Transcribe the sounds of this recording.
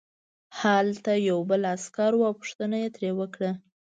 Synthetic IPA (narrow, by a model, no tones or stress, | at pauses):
halt̪ajawbəlaskɑɾwuawpʊ̥ʂt̪ənajet̪ɾewəkɽa